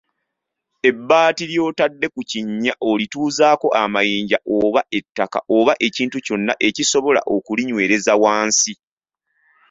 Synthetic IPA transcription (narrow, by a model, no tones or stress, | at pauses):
e̞bːaːtiljo̞ːtadːe̞kuciɲːaʔolituːzaːko̞ʔamajiːɲɟaʔoβae̞tːaka̰oβaʔe̞ciːntuco̞nːaʔe̞ciso̞βo̞la̰ʔo̞kuliɲwe̞ːɾe̞zawaːnsi